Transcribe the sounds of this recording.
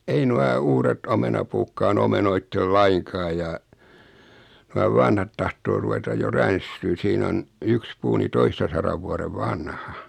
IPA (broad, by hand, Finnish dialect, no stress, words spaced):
ei nuɑ uːret omenɑpuːkːɑːn omenoitːel lɑiŋkɑː jɑ nuɑ ʋɑnhɑt tɑhtoː ruʋetɑj jo rænstyːn̞ siːn on yks puː ni toistɑsɑrɑʋ ʋuɑreʋ ʋɑnhɑ